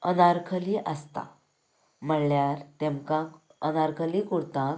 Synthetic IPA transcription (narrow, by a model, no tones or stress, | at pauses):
ənaɾkʰəliʔəst̪a̰ | m̤əɳljaɾt̪emkã | ənaɾkʰəlikuɽt̪ãk